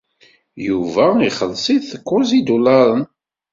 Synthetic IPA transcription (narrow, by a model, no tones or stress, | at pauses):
juvæiχəlːsˤiðəkːʊzid̪ulɑɾˤən